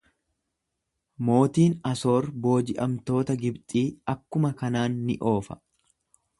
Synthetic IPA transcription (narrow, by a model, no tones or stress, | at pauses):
mo̞ːt̪iːnɐso̞ːɾbo̞ːd͡ʒɪʔɐmt̪o̞ːt̪ɐɡɪbt̪ʼiːɐkːʊmɐkɐnaːnːɪ̰ʔo̞ːfɐ̥̰